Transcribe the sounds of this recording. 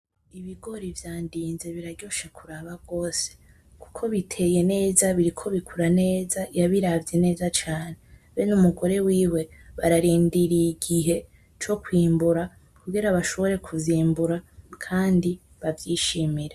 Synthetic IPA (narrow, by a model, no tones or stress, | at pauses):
iβiɡo̞ɾivjaːndiːnze̞βiɾaɟo̞ʃekʰuɾaβaɡo̞ːse̥ | ku̥kʰo̞βitʰe̞je̞ne̞ːzaβiɾikʰo̞βikʰuɾane̞ːzajaβiɾavje̞ne̞ːzat͡ʃaːne̞βenumuɡo̞ɾe̞wiːwe̞βaɾaɾiːndiɾijiɡiɦe̞ | t͡ʃo̞kwiːmbuɾa | kuɡiɾaβaʃo̞βo̞ɾe̞kʰuviːmbuɾakʰaːndi | βavjiːʃimiɾe